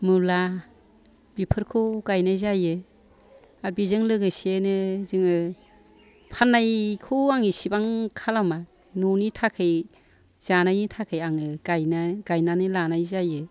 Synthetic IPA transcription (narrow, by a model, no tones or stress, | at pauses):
mula | b̥ipʰɯɾkʰɯwɡajnajzajɯ | aɾ̚bizɯŋlɯɡɯsienɯzɯŋɯ | pʰanːajkʰɯwaŋisibaŋkʰalama | nunitʰakʰɯj | z̥anajitʰakʰɯjaŋɯɡajnaɡajnanɯlanajzajɯ